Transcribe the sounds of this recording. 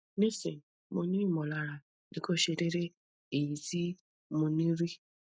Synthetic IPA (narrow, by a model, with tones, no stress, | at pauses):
ne˦se˨ | mʊ˨ni˦mɔ˨la˨ɾa˨ | dɪ˨ko˦˨ʃe˨ɾe˦ɾe˦ | e˨i˨zi˦ | mʊ˨ni˦ɾi˦